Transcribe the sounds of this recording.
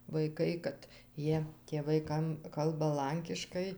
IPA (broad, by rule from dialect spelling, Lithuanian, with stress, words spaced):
ʋɐɪˈkɐɪ kɐt ˈjiɛ tʲeːˈʋɐɪ ˈkɐm ˈkɐlˠbɐ ˈlˠɐŋʲkʲɪʃkɐɪ